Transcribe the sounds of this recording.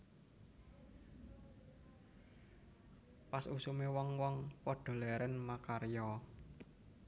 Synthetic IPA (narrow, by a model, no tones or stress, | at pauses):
pasusumewɔŋwɔŋpɔɖ̥ɔ̤lɛɾɛnmakarjɔ